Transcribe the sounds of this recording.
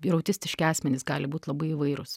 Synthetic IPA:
iɾɐʊt̪ʲɪsʲt̪ʲɪʃʲkʲɪɑːsʲmʲɛnʲɪsɡɑːlʲɪbuːt̪ʲlˠɐbɐɪɪʋɐɪɾʊs

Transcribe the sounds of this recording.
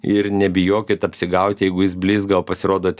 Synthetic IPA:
ɪɾnʲɛbʲɪjoːkʲɪt̪ɐpʲsʲɪɡɐʊt̪ʲjɛɪɡʊjɪsbʲlʲiːsɡɐlˠpɐsʲɪɾoːd̪oːt̪ʲ

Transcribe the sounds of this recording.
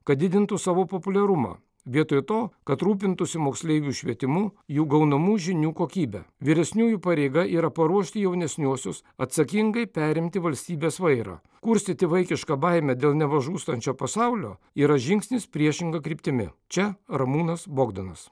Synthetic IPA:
kɐt̪̚d̪ʲɪd̪ʲɪnt̪usɑːʋoːpopʊlʲɛɾʊmɑ̰ː | ʋʲiɛt̪ojt̪oːkɐt̪ɾuːp̬ʲɪnt̪ʊsʲɪmoːksʲlʲeɪɡʲuːʃʲʋʲiɛt̪ʲɪmʊjuːɡɐʊnɐmuːʒʲɪnʲuːkoːkʲiːbʲɛ̰ʋʲiɾʲɛsʲnʲuːjuːpɐɾʲeɪɡɐʔiːɾɐpɐɾuɔʃʲt̪ʲɪjɛʊnʲɛsʲnʲuɔsʲʊs | ɐt̪sɐkʲɪŋɡɐɪpʲæːɾʲɪmʲt̪ʲɪʋɐlʲsʲt̪ʲiːbʲeːsʋɐɪɾɑ̰ː | kʊɾʲsʲt̪ʲɪt̪ʲɪʋɐɪkʲɪʃkɐːbɐɪmʲɛd̪ʲeːlˠnʲɛʋɐʒuːst̪ɐnʲt͡ʃʲoːpɐsɑʊlʲo̰ː | iːɾɐʒʲɪŋksʲnʲɪspʲɾʲiɛʃʲɪŋɡɐkɾʲiːpʲt̪ʲɪmʲɪ̰t͡ʃʲɛɾɐmuːnɐsboːɡd̪ɐnɐs

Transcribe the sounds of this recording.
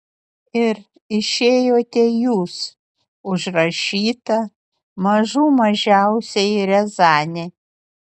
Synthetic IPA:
ɪɾ | ɪʃʲeːjoːt̪ʲɛjuːs | ʊʒɾɐʃʲiːt̪ɐ | mɐʒuːmɐʒʲæˑʊsʲɛɪɾʲɛzɑːnʲɛ

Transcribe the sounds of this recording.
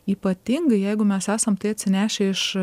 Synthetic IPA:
iːpɐt̪ʲɪŋɡɐɪjɛɪɡʊmʲɛsæːsɐmt̪ɐɪɐt̪ʲsʲɪnʲæːʃʲɛɪʃ

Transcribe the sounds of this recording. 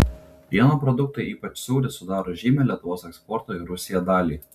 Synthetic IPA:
ʋʲiɛnoːpɾɔd̪ʊk̚t̪ɐɪiːpɐt͡ʃsʲuːɾʲɪsʊd̪ɑːɾoːʒʲiːmʲɛːlʲiɛt̪ʊʋoːsɛkspɔɾt̪oːɪɾʊsʲɪjɛd̪ɑːlʲiː

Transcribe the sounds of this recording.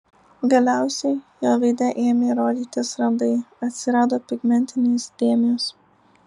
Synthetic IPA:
ɡɐlʲæˑʊsʲɛɪjoːʋʲɐɪd̪ʲɛʔeːmʲeːɾoːd̪ʲiːt̪ʲɪsɾɐnd̪ɐɪɐt̪ʲsʲɪɾɑːd̪oːpʲɪɡmʲɛnʲt̪ʲɪnʲeːsd̪ʲeːmʲɪjos

